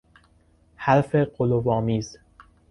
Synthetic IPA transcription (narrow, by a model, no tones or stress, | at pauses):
hælfeɢolovɒːmiːz